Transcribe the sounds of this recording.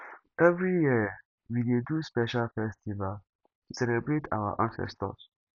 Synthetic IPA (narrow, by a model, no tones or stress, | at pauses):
ɛvɹijiə | wideduspɛʃalfɛstival | tusɛlɛbɹetʰa̰wa̰ʔãnsɛ̰stɔ̰s